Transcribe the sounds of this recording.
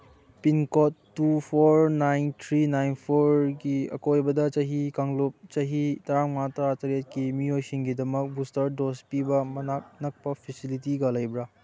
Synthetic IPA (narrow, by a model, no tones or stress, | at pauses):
pinkotːupʰoɾnajnt̪ʰɾinajnpʰoɾɡiɐ̰kojbɐdɐt͡ʃɐɦikaŋlup̚t͡ʃɐɦitɐɾaŋmatɐɾatɐɾet̚kimiojsiŋɡidɐmɐk̚bustɐɾdospibɐmɐnak̚nɐk̚pɐpʰisilitiɡɐlɐjbɾa